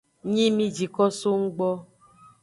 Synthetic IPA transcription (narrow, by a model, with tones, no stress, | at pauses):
ɲĩ˦mĩ˦d͡ʒi˨kɔ˦so˦ŋ̩˦ɡ͡bɔ˦